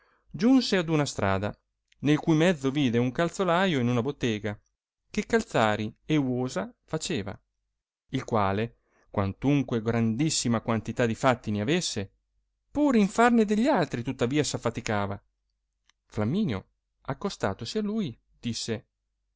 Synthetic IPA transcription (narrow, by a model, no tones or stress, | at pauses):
d͡ʒunsead̪unast̪ɾʔa̰ːd̪a̰ | nelkujmɛd̪zːoviːd̪euŋkalt̪solajoinunabot̪ːeːɡa | kekːalt̪saːɾiewoːzafat͡ʃeːva̰ | ilkwaːle | kwant̪uŋkweɡɾand̪isːimakwant̪it̪ad̪ifat̪ːineavesːe | puːɾiɱfarned̪eʎːalt̪ɾit̪ut̪ːaviːasafːat̪ikaːva | flamːiːnjo̰ | akːost̪a̰ːt̪osialuːj | d̪̥isːe